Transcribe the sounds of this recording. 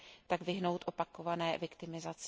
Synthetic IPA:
t̪aɡvɪɦno̞wt̪ʔo̞pako̞vanɛːvɪkt̪ɪmɪzat͡s

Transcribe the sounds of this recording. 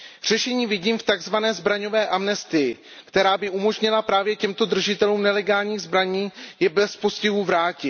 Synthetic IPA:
r̝̥ɛʃɛɲiːvɪɟiːmft̪aɡzvanɛːzbɾaɲo̞vɛːʔamnɛst̪ɪjɪ | kt̪ɛɾaːbɪʔumo̞ʒɲɪlapɾaːvjɛcɛmt̪o̞d̪r̩ʒɪt̪ɛluːmnɛlɛɡaːlɲiːɣzbɾaɲiːjɛbɛspo̞scɪɦuvɾaːcɪ

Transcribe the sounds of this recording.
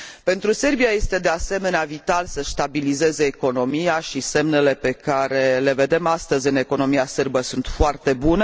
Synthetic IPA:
pe̞nt̪ɾuse̞rbijaje̞st̪e̞d̪e̞ase̞me̞neavit̪alsəʃt̪abilize̞zeːko̞no̞mijaʃise̞mne̞le̞pe̞kaɾe̞le̞ve̞d̪e̞mast̪əzʲɨne̞ko̞no̞miaserbəsunt̪foart̪e̞bunə

